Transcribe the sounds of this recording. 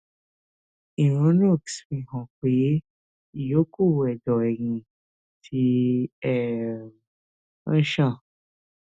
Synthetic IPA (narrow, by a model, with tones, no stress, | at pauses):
ĩ˨ɾ̃ũ˨˦nõ˦˨ksfĩ˨hɔ̃˨k͡pe˨je˦ | i˨jo˦ku˦˨wɛ˨dɔ˨ɛ˨ŋĩ˨ | tʰi˧ɛ˨˦ | ʃã˦˨